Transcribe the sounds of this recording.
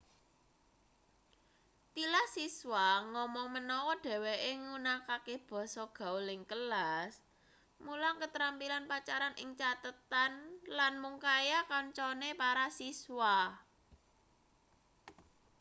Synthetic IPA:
t̪ilahsiswaŋɔmɔŋmənɔwɔɖ̥ɛ̤weʔeŋunakakeb̥ɔ̤sɔɡ̥a̤ulɪŋkəlas | mulaŋkət̪ɾampilanpat͡ʃaɾanʔɪŋt͡ʃat̪ət̪anlanmuŋkajakaɲt͡ʃɔnepaɾasiswa

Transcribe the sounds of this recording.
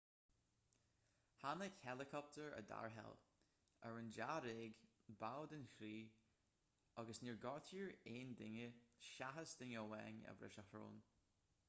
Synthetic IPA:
hanəkhɛlɪkʰɔp̚tʰəɹə̰da̰ɹɦɛ̰l | əɹənd͡ʒaɾeːɡbawdənxɾiː | aɡəsniɹɡɔɹtʰiːɹeːndɪŋəʃaɦəsd̪̥ɪŋəwɛŋə̰vɾɪ̰ʃəhɾo̰ːn

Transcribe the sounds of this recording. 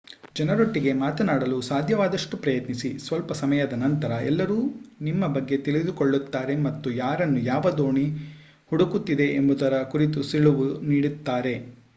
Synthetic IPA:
d͡ʒɐnɐɾoʈːiɡe̞maːt̪ɐnaːɽɐlusaːd̪ʱjɐʋaːd̪ɐʂʈupɾɐjɐt̪nisisʋɐlpɐsɐmɐjɐd̪ɐnɐnt̪ɐɾɐʔɛ̰lːɐɾuːnimːɐbɐɡːe̞t̪iɭid̪ukoɭːut̪ːaːɾe̞mɐt̪ːujaːɾɐnːujaːʋɐd̪o̞ːɳi | huɽukut̪ːid̪e̞ʔembud̪ɐɾɐkuɾit̪usiɭuʋuniːɽut̪ːaːɾe̞

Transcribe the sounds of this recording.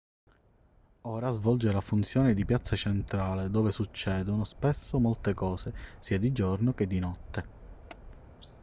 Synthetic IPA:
oːɾazvɔld͡ʒelafunt̪sjɔːned̪ipjat̪sat͡ʃent̪ɾaːled̪oːvesut͡ʃːɛːd̪onospesːomolt̪ekɔːsesiːad̪id͡ʒornoked̪ːinɔt̪ːe

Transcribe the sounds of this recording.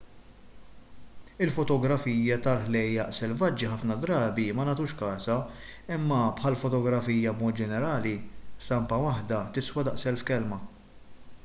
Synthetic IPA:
ɪlfɔt̪ɔɡɾɐfiːjɐt̪ɐlħlɛjːɐʔsɛlvɐd͡ʒːiħɐfnɐd̪ɾɐːbimɐnɐt̪uːʃkɐːsɐ | ɪmːɐpħɐlfɔt̪ɔɡɾɐfiːjɐbmɔːt̪̚d͡ʒɛnɛɾɐːlisɐmpɐwɐħd̪ɐt̪ɪswɐd̪ɐʔsɛlfkɛlmɐ

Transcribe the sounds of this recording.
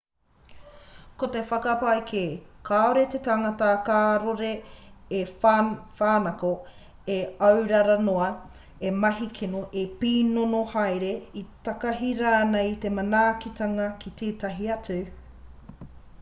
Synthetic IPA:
kot̪efɐkɐpajkʰekʰaːoɾet̪et̪aŋɐtɐkaːɾoɾeː | faːnɐko | eɐwɾɐɾɐnoɐ | emɐɦikʰinoʔepiːnonohajɾeit̪ɐkɐɦiɾanajit̪emɐnaːkit̪ɐŋɐkʰit̪ʰeːt̪ɐɦiɐt͡su

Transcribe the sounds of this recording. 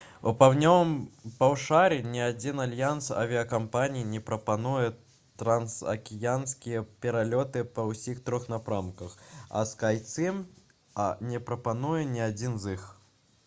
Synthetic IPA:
upawnʲɔvɐmpawʂaɾʲinʲɛad͡zʲinalʲjansɐ̰vʲiɐkampanʲijinʲɛpɾɐpanujɛ | t̪ɾɐnsɐ̰kʲijanskʲijɐpʲɛɾalʲɔt̪ɨpɐwsʲixt̪ɾɔxnapɾamkɐxɐ̰skajt̪sɨm | nʲɛpɾɐpanujɛnʲɛad͡zʲinzix

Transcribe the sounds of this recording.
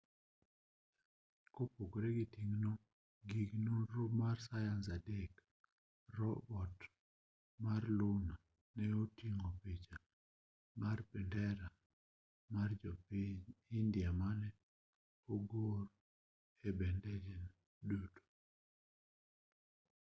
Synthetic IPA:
kopokoɾɛɡitiŋno | ɡiɡnoɾomarsajansadek | rɔbɔt | marlona | nɛotiŋopet͡ʃa | marpɛndɛɾa | mard͡ʒɔpiɲindjamanɛ | oɡoɾ | ɛbɛndɛd͡ʒɛn | duto̥

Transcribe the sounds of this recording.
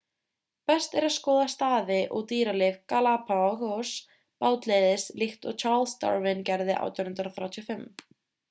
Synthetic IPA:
pɛst̪ɛɾaðskɔːðast̪aːðɪʔɔɣt̪iːɾalɪvkalapʰaɣɔs | paːwt̪leːðɪslɪxt̪ɔɣt͡ʃʰaɾlst̪ɔ̰ɾvɪncɛɾðɪʔa̰wt̪ʰjɔnʏnt̪ɾaθɾjaːwt̪ʰiɔfɪm

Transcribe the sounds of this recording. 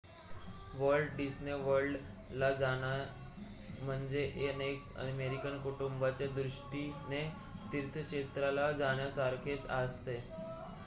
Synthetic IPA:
ʋəɾɭɖɖisneʋəɾɖ | lad͡zaɽ̃a | m̤əɳd͡zeʔenekə̰meɾikənkuʈumbat͡ɕjad̪ɾuʂʈine | t̪iɾt̪ʰəkɕet̪ɾalad͡zaɽ̃jasaɾkʰet͡sast̪e

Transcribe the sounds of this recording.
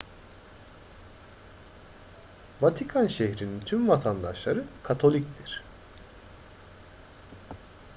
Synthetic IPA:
vat̪ʰikʰanʃeçɾinint̪ʰymvat̪ʰand̪aʃlˠaɾɯkʰat̪ʰo̞lʲic̚d̪ʰiɾ̥

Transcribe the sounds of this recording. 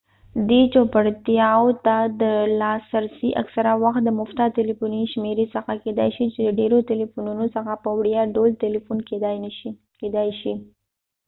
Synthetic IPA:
d̪et͡ʃopaɽt̪jɑwot̪ad̪əlɑsaɾsiʔa̰ksaɾawaxt̪̚d̪əmʊft̪ɑt̪elifuniʃmeɾesəxaked̪a̰jʃit͡ʃeləɖeɾoʈelifununosəxapəwɽjaɖolt̪elifun | ked̪ajʃi

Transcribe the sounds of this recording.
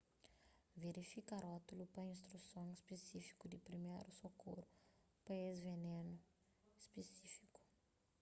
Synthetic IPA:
veɾifikaɾɔt̪ulupɐĩnst̪ɾusõŋispesifi̥kud̪ipɾimḛjɾusokoɾu | pɐezvenẽnu | espesifi̥ku̥

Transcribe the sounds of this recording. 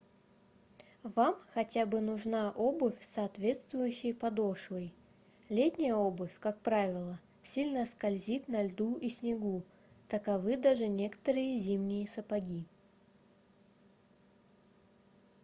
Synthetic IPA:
vamxɐtʲabɨnʊʐnaʔobʊfʲsɐːt̪vʲe̞t̪st̪vʊjʉɕːɪjpɐd̪o̞ʂvəj | lʲetʲnʲɪjəobʊfʲkak̚pɾavʲɪlˠə | sʲilʲnəskɐlʲzʲit̪nɐlʲd̪uʔisʲnʲɪɡu | t̪əkɐvɨd̪aʐɨnʲe̞kə̥t̪əɾɨjəzʲimnʲɪjəsəpɐɡʲi

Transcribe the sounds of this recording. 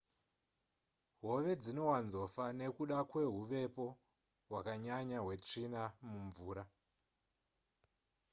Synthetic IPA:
ɦo̞ʋe̞d͡zino̞wanzo̞fane̞kuɗakwe̞ɦuʋe̞po̞ | ɦwakaɲaɲaɦwe̞t͡ʂinamuɱvuːɾa

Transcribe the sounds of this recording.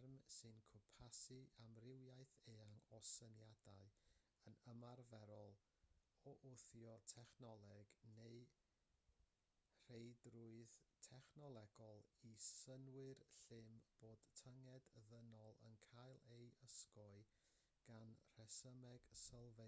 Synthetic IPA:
rmsɨnkʰʊpʰasiʔamrɪwjaɨθeːaŋɔsənjadaɨ | ənəmarvɛɾɔlˠ | ɔʔʊθjɔtʰɛχnɔlˠɛɡneɨ | r̥ejdrʊɨðtʰɛχnɔlˠɛɡɔlˠisənwɨrɬɪmb̥oːd̥tʰəŋɛdðənɔlˠə̰nkʰajlˠejəskɔɨ | ɡ̥anr̥ɛsəmɛɡ̥səlˠve

